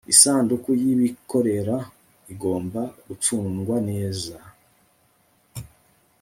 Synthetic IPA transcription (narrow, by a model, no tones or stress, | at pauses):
isaːndukujiβiko̞ɾe̞ɾa | iɡo̞ːmbaɾut͡sununɡwane̞ːza